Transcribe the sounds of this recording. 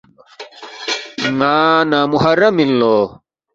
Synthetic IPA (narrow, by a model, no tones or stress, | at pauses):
ŋaːnamuɦɐɾɐmilloː